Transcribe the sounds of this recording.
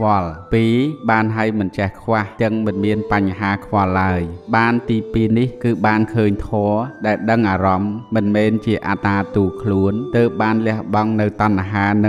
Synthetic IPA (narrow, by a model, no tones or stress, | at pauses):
ʋ̆lpiːɓaːnɦaəjmɨnt͡ɕɛhkʰʋaht̪ɨŋmɨnmiənpaɲɦaːkʰʋɑlːaəjɓaːnt̪iːpiːnihkɨːɓaːnkʰəːɲt̪ʰɔːɗaɛlɗəŋʔaːɾɑmːɨnmɛːnt͡ɕiəʔaːt̪aːt̪uːkʰluənt̪əːp̚ɓaːnlɛ̆əhɓɑŋnɨwt̪ɑnʔaɦaːnɨ